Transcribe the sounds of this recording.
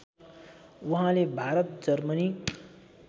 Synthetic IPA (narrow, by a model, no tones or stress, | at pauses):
wuɦãlebʱaɾʌt̪d͡zʌrmʌni